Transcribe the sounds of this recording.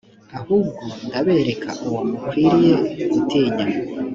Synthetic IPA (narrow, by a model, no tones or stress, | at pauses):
ahub̚ɡondaβe̞ːɾe̞kʰaʔuwamukwiɾijeɡutʰeːɲa